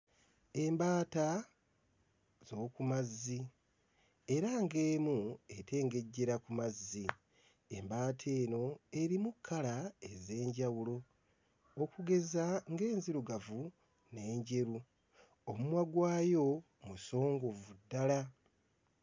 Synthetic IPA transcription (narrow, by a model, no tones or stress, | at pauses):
e̞mbaːta | zo̞ːkumazːi | e̞ɾaŋɡe̞ːmue̞tʰe̞ːŋɡe̞ɟːe̞ɾakumazːi | embaːtʰe̞ːno̞e̞ɾimukʰːalae̞ze̞ːɲɟawulo̞ː | kuɡe̞zaŋɡe̞ːnziɾuɡavu | ne̞ːɲɟe̞ɾu | omumwaɡwaːjo̞ | muso̞ːŋɡo̞vudːala